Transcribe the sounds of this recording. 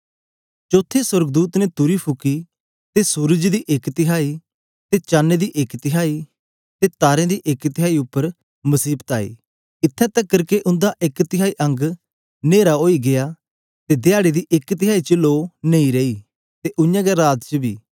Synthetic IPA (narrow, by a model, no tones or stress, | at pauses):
t͡ʃoːt̪ʰesʊɾɡd̪uːt̪nɛt̪ʊɾipʰʊki | t̪esuːɾəd͡ʒd̪iːʔɪkt̪ɪɦaːiː | t̪et͡ʃaːnːed̪iːʔekt̪ɪɦaːiː | t̪et̪aːɾẽd̪iːʔekt̪ɪɦaːiʊpːəɾ | məsiːbt̪a̰ːḭː | ɪt̪ʰːɛt̪əkːəɾkeʔʊ̃nd̪aʔɪkt̪ɪɦaːiʔə̃ŋɡ | neːɾaoːiɡɪjaː | t̪ed̪ɪaːɽed̪iːʔɪkt̪ɪɦaːit͡ʃəloːnẽĩɾeiː | t̪eʔʊ̃jãːɡɛɾaːd̪t͡ʃəbḭː